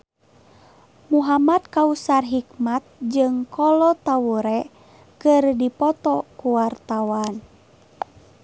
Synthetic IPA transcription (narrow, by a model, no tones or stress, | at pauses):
muɦamat̪̚kausarɦikmat̪̚d͡ʒɨŋkɔlɔt̪awuɾɛ | kɨrdipɔt̪ɔkuwart̪awan